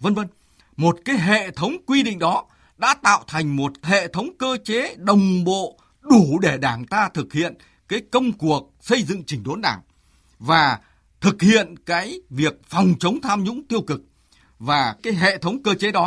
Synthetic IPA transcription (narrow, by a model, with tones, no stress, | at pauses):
və˧nvə˧n | mo˨˩t̚kaː˨˦jɦḛ˧˨t̪ʰə˨˦wŋ͡mkwi˧ɗḭ˧˨ŋ̟ɗɔ˨˦ | ɗa̰ː˧˥t̪a̰ː˧˨wt̪ʰa˨˩jŋ̟mo˨˩t̚hḛ˧˨t̪ʰə˨˦wŋ͡mkəː˧t͡ɕe˨˦ɗə˨˩wŋ͡mɓo̰˧˨ | ɗu˧˩ɗe˧˩ɗaː˧˩ŋt̪aː˧t̪ʰɨ˨˩k̚hḭ˧˨ən | kaː˨˦jkə˧wŋ͡mku˨˩ək̚sə˧jzɨ̰˧˨ŋt͡ɕï̟˧˩ɗo˨˦nɗaː˧˩ŋ | vaː˨˩ | t̪ʰɨ˨˩k̚hḭ˧˨ənkaː˨˦jvi˨˩ək̚fɔ˨˩wŋ͡mt͡ɕə˨˦wŋ͡mt̪ʰaː˧mɲʊ̰˧˥ŋ͡mt̪i˧əwkɨ˨˩k̚ | vaː˨˩kaː˨˦jɦḛ˧˨t̪ʰə˨˦wŋ͡mkəː˧t͡ɕe˨˦ɗɔ˨˦